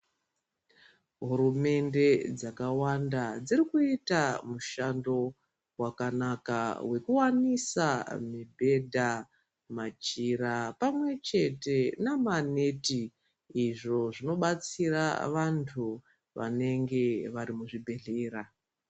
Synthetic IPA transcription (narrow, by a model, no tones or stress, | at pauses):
ɦuɾume̞nde̞d͡zakawandad͡zirikuitamuʃando̞ | wakanaka̰we̞kuwanisamibʱe̞dʱa | mat͡ʃiɾapamwe̞t͡ʃe̞te̞namaneti | iʐo̞ʐino̞ɓat͡sira̰ʋantʰu | ʋa̰ne̞ŋɡe̞ʋaɾimuʐibʱe̞ɮeːra